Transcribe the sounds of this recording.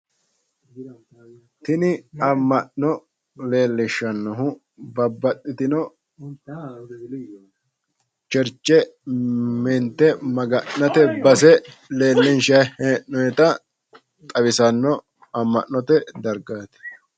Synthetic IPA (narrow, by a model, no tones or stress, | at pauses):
t̪ɪnɪɐmːɐʔnɔ | leːlːɪʃːɐnːɔɦʊ | bɐbːɐt̪ʼːɪt̪ɪnɔ | t͡ʃɛɾt͡ʃːɛ | mɛnt̪ːɛmɐɡɐʔːɐt̪ɛbɐs̬ɛ | le̞ːlːɪnʃɐheːʔnɔjɛt̪ɐ | t̪ʼɐwɪsɐnːɔ | ɐmːɐ̰ʔnɔt̪ɛd̪ɐɾɡaːt̪ɛ̥